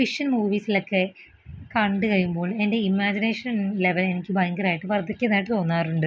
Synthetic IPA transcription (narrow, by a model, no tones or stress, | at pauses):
fiʂɐnmuːʋiːsilo̞kːe̞ | kɐɳɖɨkɐjumbo̞ːɭe̞nde̞imːaːd͡ʑineːʂɐnle̞ʋɐle̞nikʲːɨbaːŋɡɐraːjiʈːɨʋɐrd̪ikʲːenːaːjiʈːɨt̪o̞ːnːaːruɳɖɨ